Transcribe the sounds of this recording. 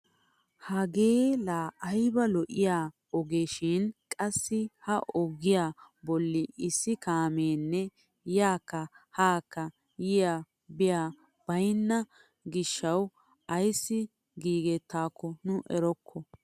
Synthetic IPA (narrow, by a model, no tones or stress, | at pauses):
hɐɡeːlaːʔɐjbɐlɔʔɪjaː | ɔɡeʃɪnkʼɐsːɪhɐʔɔɡɪjaːbɔlːɪɪsːɪkaːmeːnːɛ | jaːkːɐhaːkːɐ | jɪjaː | bɪjaː | b̥ɐjnːɐ | ɡɪʃːɐw | ʔɐjsːɪ | ɡiːɡɛt̪ːaːkʰːɔnʊʔɛɾɔkʰːɔ